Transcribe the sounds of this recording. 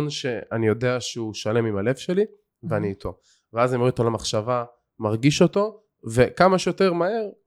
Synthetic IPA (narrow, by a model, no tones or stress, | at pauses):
nʃe̞anijo̞de̞aʃeuʃale̞mimale̞vʃe̞li | veaniːt̪ʰo̞ | veazanjomuet̪olamaχʃava | maʁɡiʃo̞to̞ | ve̞kamaʃjo̞te̞ʁmae̞ʁ